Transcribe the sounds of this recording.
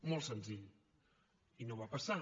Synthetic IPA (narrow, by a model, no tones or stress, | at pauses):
molˠsənziʎ | inoβapəsa